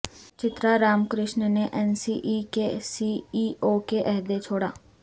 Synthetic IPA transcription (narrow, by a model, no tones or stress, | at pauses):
t͡ʃɪt̪ɾaːɾaːmkɾɪʃnneʔɛːnsiːʔiːkesiːiːʔoːkeʔɛɦd̪et͡ʃʰoːɽa̰ː